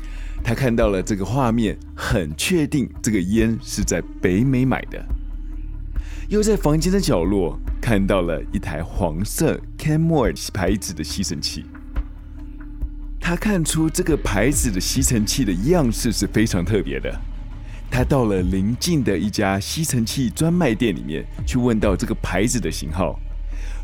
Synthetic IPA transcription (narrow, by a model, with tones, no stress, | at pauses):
t̪ʰa˥kʰa˥˧nt̪ɑ˥˩ʊlə˩ʈ͡ʂɤ˥˩ɡə˩xwa˥˧mjɛ˥˩n | xə˨˩nt͡ɕʰɥɛ˥˧t̪i˥˩ŋʈ͡ʂɤ˥˩ɡə˩jɛ˥nʂɻ̩˥˧t͡sa˥˩ɪpe˧˥ɪme˧˥ɪma̰˨˩ɪd̪ə̰˦ | jo˥˧ʊt͡sa˥˩ɪfɑ˧˥ŋt͡ɕɛ˥nd̪ə˧t͡ɕjɑ˨˩ʊlwɔ˥˩kʰa˥˧nt̪ɑ˥˩ʊlə̰˩i˥˩t̪ʰa˧˥ɪxwɑ̰˧˥ŋsɤ˥˩ | kʰɛ˥nmɔ˥˩ə˞˨˩˥pʰa˧˥ɪd͡zɹ̩˨˩d̪ə˦ɕi˥ʈ͡ʂʰə˧˥nt͡ɕʰḭ˥˩ | t̪ʰa˥kʰa˥˩nʈ͡ʂʰu˥ʈ͡ʂɤ˥˩ɡə˩pʰa˧˥ɪd͡zɹ̩˨˩d̪ə˦ɕi˥t͡sʰə˧˥ŋt͡ɕʰi˥˩d̪ə˩i˧˥jɑ˥˧ŋʂɻ̩˥˧ʂɻ̩˥˩fe˥ɪʈ͡ʂʰɑ˧˥ŋt̪ʰɤ˥˩pjɛ̰˧˥d̪ə̰˧˨ | t̪ʰa˥t̪ɑ˥˩ʊlə˩li˧˥ŋt͡ɕi˥˩ŋd̪ə˩i˥˩t͡ɕja˥ɕi˥t͡sʰə˧˥ŋt͡ɕʰi˥˩ʈ͡ʂwa˥nma˥˧ɪt̪jɛ˥˩nlḭ˨˩mjɛ̰˥˩nt͡ɕʰy˥˧wə˥˧nt̪ɑ˥˧ʊʈ͡ʂɤ˥˩ɡə˩pʰa˧˥ɪd͡zɹ̩˨d̪ə˦ɕḭ˧˥ŋxɑ˥˩ʊ